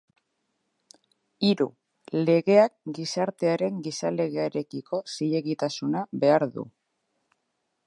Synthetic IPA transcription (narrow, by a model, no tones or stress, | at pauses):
iɾṵ | le̞ɣe̞ak̚ɡisaɾt̪e̞aɾe̞ŋɡisale̞ɣe̞aeɾe̞kiko̞siʎe̞ɣit̪asunaβe̞aɾðṵ